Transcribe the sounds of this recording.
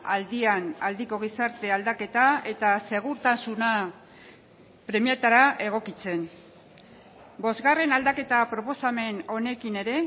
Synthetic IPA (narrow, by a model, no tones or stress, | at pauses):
ald̪ianald̪iko̞ɣ̞isaɾt̪e̞ald̪ake̞t̪ae̞t̪ase̞ɣ̞uɾt̪asuna | pɾe̞miat̪aɾaʔe̞ɣ̞o̞kit͡se̞n | bo̞zɣare̞nald̪ake̞t̪apɾo̞po̞same̞no̞ne̞kine̞ɾe̞